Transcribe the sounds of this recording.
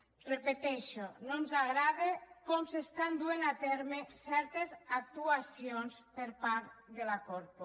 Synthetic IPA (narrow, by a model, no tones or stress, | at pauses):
repet̪ɛʃononzaɣɾaðekomsest̪and̪uenat̪ɛɾmesɛɾt̪ezak̚t̪uasionspeɾpaɾt̪ðelakoɾpo